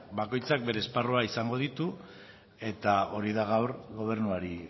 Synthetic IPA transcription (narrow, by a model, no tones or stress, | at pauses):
bako̞jt͡sak̚be̞ɾe̞ːsparuaisaŋɡo̞ð̞it̪u | e̞t̪ao̞ɾiðaɣawɾɣo̞β̞e̞ɾnuaɾi